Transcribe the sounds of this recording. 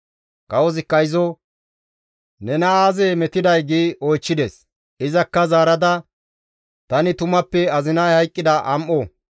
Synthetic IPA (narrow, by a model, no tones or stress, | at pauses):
kʼɐwɔzɪkːɐjzɔ | nɛnɐaːzemɛt̪ɪd̪ɐjɡiːɔjt͡ʃːɪd̪es | ɪzɐkːɐzaːɾɐd̪ɐ | t̪ɐnɪt̪ʊmɐpːɛɐzɪnɐjhɐjkʼːɪd̪ɐʔɐmʔɔ